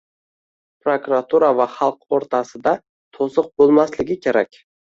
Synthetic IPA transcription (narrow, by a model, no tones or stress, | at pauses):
pɾokɾat̪ʰuɾavaχɑlˠqoɾt̪ʰasɪd̪a | t̪ʰosɨq̚bolˠmaslɪɡʲɪkʲʰeɾakʲ